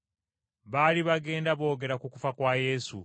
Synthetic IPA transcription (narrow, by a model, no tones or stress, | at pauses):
βaliβaɡe̞ːndaβo̞ːɡe̞ɾakukufakwaje̞ːsṵ